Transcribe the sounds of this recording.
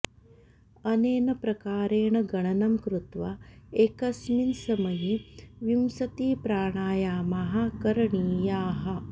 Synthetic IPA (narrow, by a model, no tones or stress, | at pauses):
ɐneːnɐpɾɐkaːɾeːɳɐɡɐɳɐnɐmkɾut̪ʋaekɐsminsɐmɐjiʋjimsɐt̪iːpɾaːɳaːjaːmaɦɐkɐɾɐɳiːjaːɦɐ